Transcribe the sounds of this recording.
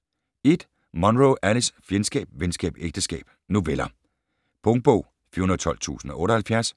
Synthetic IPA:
e̝d̥ | mɒ̽nʁoʔælisfjensɡ̥ɛ̰ːb̥ʋensɡ̥ɛ̰ːb̥eɡ̥̚d̥əsɡ̥ɛ̰ːb̥̚ | nuʋelɐ | b̥ɔŋ̥̚b̥ɔ̰ʊ̰ | fy̰ɐhunðɐt͡sʰɒ̽l̰t͡sʰṵːsn̩ɒ̽ʔɔ̽ːɾɐhælfjæɐs

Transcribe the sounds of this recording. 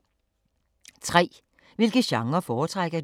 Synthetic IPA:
t͡sʰʁɛ̰ː | ʋe̝lɡ̥əɕɑ̈ŋɐfɒːt͡sʰʁaɡ̥ɐd

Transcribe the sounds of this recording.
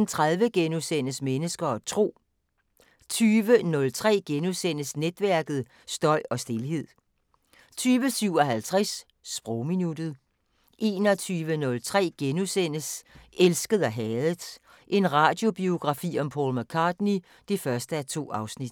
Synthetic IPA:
nt͡sʰʁaðˠʋəɡ̥enusen̰əsmenəsɡ̥ɐɒt͡sʰʁo̝̰ː | t͡sʰyːʋənɔ̽lt͡sʰʁɛ̰ːɡ̥enusen̰əsned̥ʋæɐɡ̥ð̞̩ˠ | sd̥ɒ̽ɪ̰ɒ̽sd̥e̝lɦe̝ð̞̰ˠ | t͡sʰyːʋəsyʊ̰ɒ̽ɦælt͡sʰʁɛs | sb̥ʁɔʊminud̥ð̞̩ˠ | ʔe̝̰ːnɒ̽t͡sʰyːʋənɔ̽lt͡sʰʁɛ̰ːɡ̥enusen̰əselsɡ̥əð̩ˠæɦɛːð̩ˠdˠ | ʔe̝nʁɑ̈ːd̥jo̝b̥io̝ɡ̥ʁɑ̈fḭːɒ̽mpʰɒ̰lmækʰɑ̈ːd̥ni | d̥ifɶɐsd̥əæt͡sʰo̝̰ːɑ̈ʊsnid̥

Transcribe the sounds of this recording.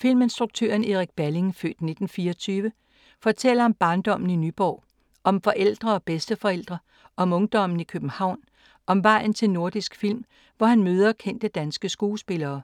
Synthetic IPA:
fil̰me̝nsd̥ʁuɡ̥̚t͡sʰø̰ɐne̝ʁiɡ̥̚b̥æle̝ŋfø̰ːd̥ne̝d̥n̩fiːɒt͡sʰyːʋə | fɒ̽t͡sʰel̰ɐɒ̽mb̥ɑ̈ːnd̥ɒ̽m̰n̩inyb̥ɒ̰ː | ʔɒ̽mfɒ̽ʔel̰d̥ʁɐɒ̽b̥esd̥əfɒ̽el̰d̥ʁɐ | ʔɒ̽mɔ̽ŋd̥ɒ̽m̰n̩ikʰøb̥n̩hɑ̈ʊ̰n | ɒ̽mʋɑ̈ɪ̰n̩t͡sʰe̝lno̝ɐ̰d̥isɡ̥fil̰m | ʋɒhænmøːð̞ˠɐkʰen̰d̥əd̥ænsɡ̥əsɡ̥uːsb̥e̝lɐː

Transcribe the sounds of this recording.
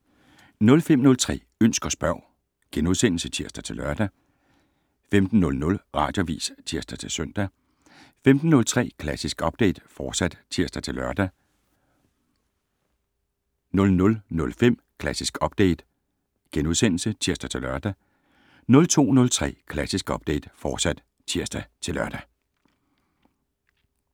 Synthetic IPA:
nɔ̽lfem̰nɔ̽lt͡sʰʁɛ̰ː | øn̰sɡ̥ɐsb̥ɶɐ̰ | ɡ̥enuð̞ˠsen̰l̩sət͡sʰiɐsd̥ɐt͡sʰe̝lɶɐ̰d̥æ | femd̥n̩ːɔ̽lnɔ̽lʁɑ̈ːd̥jo̝ʋḭːst͡sʰiɐsd̥ɐt͡sʰe̝lsœn̰d̥æ | femd̥n̩ːɔ̽lt͡sʰʁɛ̰ːkʰlæsisɡ̥ɒ̽b̥̚d̥ḛɪd̥fɒːd̥sæd̥t͡sʰiɐ̰sd̥æt͡sʰe̝lɶɐd̥æ | nɔ̽lnɔ̽lnɔ̽lfem̰ | kʰlæsisɡ̥ɒ̽b̥d̥ḛɪd̥ | ɡ̥enuðˠsen̰l̩sət͡sʰiɐ̰sd̥æt͡sʰe̝lɶɐd̥æ | nɔ̽lt͡sʰo̝̰ːnɔ̽lt͡sʰʁɛ̰ːkʰlæsisɡ̥ɒ̽b̥̚d̥ḛɪd̥fɒːd̥sæd̥ | t͡sʰiɐ̰sd̥æt͡sʰe̝lɶɐd̥æ

